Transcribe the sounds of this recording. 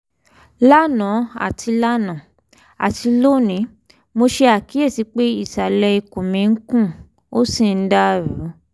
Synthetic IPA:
la˦nã˨˦a̰˨tʰi˧la˦nã˨ | a̰˨ti˧lo˦˨nĩ˨˦ | mo˧ʃe˧a˦˨ki˨˦e˦˨si˨˧˦k͡pe˦i˦˨ta˨lɛ˧i˧ko˨mĩ˨˦ŋ̩˦kũ˦˨ | o˦sĩ˦˨n̩˦da˦˨ɾu˨˦

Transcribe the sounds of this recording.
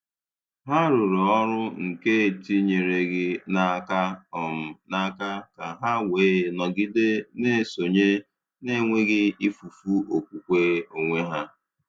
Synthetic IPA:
ɦa˦ɾu˨ɾu˨ɔ˦ɾʊ˦ŋ̩˨ke˦e˨ti˦ɲe˨ɾe˨ɡɪ˦na˦ka˦ɔ˨m̩˨na˦ka˦ka˨ɦa˦weː˨˦˨nɔ˨ɡɪ˦de˦ne˦˨so˨ɲe˦ | ne˦˨ŋʷe˦ɡɪ˦i˦fu˨fu˦o˨kʷu˨kʷe˦o˨ŋʷe˦ɦa˦

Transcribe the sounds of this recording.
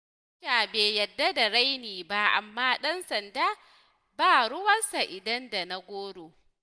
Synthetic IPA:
ʃaː˨beː˨jɐ˨dːa˦da˨ɽa˦jniː˨ba˦ʔa̰˨mːaː˦ɗɐ˦nsɐ˨ndaː˦ | baː˦˨ɽʊ˦wɐ˦nsa˨ʔɪ˨dɐ˦nda˨na˦ɡʷoː˦ɽoː˨

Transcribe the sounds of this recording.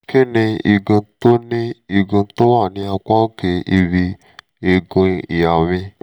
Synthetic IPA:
ke˦nĩ˧i˧ɡũ˧to˦nĩ˦i˧ɡũ˧to˦wa˦˨nĩ˧˦a˧kʷa˦ke˧i˧βi˧ | e˧ɡũ˧i˨ja˨mĩ˧

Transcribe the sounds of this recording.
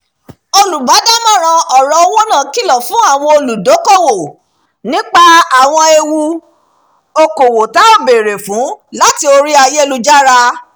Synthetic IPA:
o˧lu˨ba˨˦da˦mã˦˨ɾ̃ã˧ɔ˨ɾɔ˧o˧wo˦nã˦˨ki˦˨lɔ˨fũ˨˦a˦˨w̃ɔ̃˧o˧lu˨do˨˦ko˦˨wo˨ | nĩ˦k͡pa˦a˨w̃ɔ̃˧e˧wu˧ | o˧ko˨wo˨ta˨˦o˦˨be˨ɾe˨fũ˨˦la˦ti˦o˧ɾi˦a˧je˦e˦lu˧d͡ʒa˦ɾa˧

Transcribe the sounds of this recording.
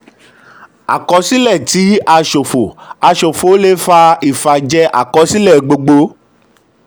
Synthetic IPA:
a̰˨kɔ˨˧˦si˦lɛ˦˨ti˨˦a˧ʃo˨fo˨a˧ʃo˨fo˨o˦le˦fa˧i˨fa˨d͡ʒɛ˧˦ʔa̰˨kɔ˨˦si˦lɛ˦˨ɡ͡bo˧ɡ͡bo˧

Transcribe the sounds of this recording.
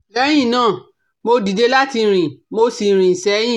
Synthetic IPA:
lɛ˨˦j̃ĩ˦˨nãː˦˨ | mo˧di˨de˧la˦ti˧˦ɾ̃ĩ˨mo˧si˨ɾ̃ĩ˨sɛ˨˦j̃ĩ˦˨

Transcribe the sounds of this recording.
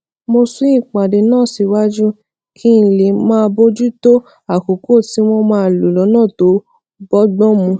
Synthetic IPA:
mo˧sũ˦ĩ˦˨k͡pa˨de˨nãː˦˨si˨˧wa˦d͡ʒu˦ | kʰi˦n̩˧˨le˨mãː˦˧bo˦d͡ʒu˦to˦ | a˨ko˨ko˦˨ti˦w̃ɔ̃˧mãː˧˦˧lu˨lɔ˨˦nãː˦˨to˨˦ | bɔ˦ɡ͡bɔ̃˦mũ˧

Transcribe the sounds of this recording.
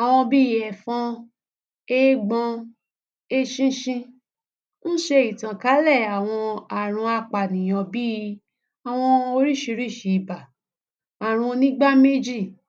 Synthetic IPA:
a˨w̃ɔ̃˧bi˦˨ɛ˨fɔ̃˧˦ | e˦ɡ͡bɔ̃˧ | e˦ʃĩ˦ʃĩ˧ | ñ̩˦ʃe˧i˨tã˨ka˨˦lɛ˦˨a˨w̃ɔ̃˧a˨ɾ̃ũ˧a˧k͡pa˨nĩ˨j̃ɔ̃˨˧bi˦˧ | a˨w̃ɔ̃˧o˧ɾi˦˨ʃi˧ɾi˦˨ʃi˨ba˨ | a˨ɾ̃ũ˧nĩ˦ɡ͡ba˦me˦d͡ʒi˦˨

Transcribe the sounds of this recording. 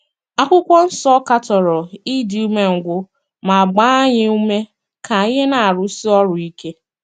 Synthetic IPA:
a˦kʷʊ˦kʷɔ˦n̩˦sɔ˦ka˦tɔ˨ɾɔ˨i˦di˨u˦me˦ŋ̩˨ɡʷʊ˦ | ma˨a˨ɡ͡ba˦a˦ɲɪ˦u˦me˦ | ka˨i˦ɦe˦na˨a˨ɾʊ˨si˦ɔ˦ɾʊ˨i˦ke˦

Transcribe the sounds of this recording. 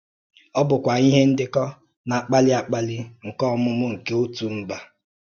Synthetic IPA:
ɔ˦bʊ˨kʷa˨i˦ɦe˦n̩˦dɪ˦kɔ˦ | na˨k͡pa˦lɪ˦a˦k͡pa˦lɪ˦ŋ̩˨kɔ˦mʊ˦mʊ˦ŋ̩˨ke˦o˦tu˨m̩˦ba˦

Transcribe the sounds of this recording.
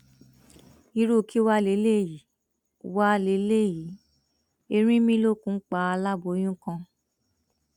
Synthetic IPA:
i˧ɾu˦˨kʰi˦wa˦le˨˦le˦˨ji˨˦ | wa˦le˧˦le˦˨ji˨˦ | e˧ɾ̃ĩ˦mĩ˦lo˦˨kũ˦k͡pa˧a˧la˦bo˧˦j̃ũ˦kã˧

